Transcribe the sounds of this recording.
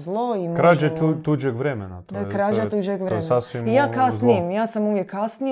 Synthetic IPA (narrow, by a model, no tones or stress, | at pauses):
zlˠoimkɾad͡ʒet̪ud͡ʒeɡʋɾemenat̪okɾad͡ʒat̪ud͡ʒeɡʋɾesasʋimjaːkasnijemjaːsamuːʋjekːasni